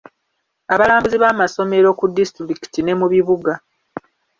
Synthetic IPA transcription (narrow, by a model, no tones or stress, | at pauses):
aβalaːmbuziβaːmaso̞me̞ɾo̞kudːistɾiki̥tine̞muβiβuɡa